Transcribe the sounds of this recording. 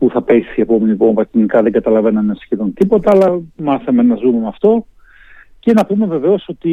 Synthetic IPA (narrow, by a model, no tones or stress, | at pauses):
puθɐpesiepo̞melipo̞ɱvɐcinikɐðe̞ŋɡɐt̪ɐlɐve̞nɐnɐsçeðont̪ipo̞t̪ɐɐlɐmɐθɐme̞nɐzume̞mɐft̪o̞ | ce̞nɐpume̞ve̞ve̞o̞so̞t̪i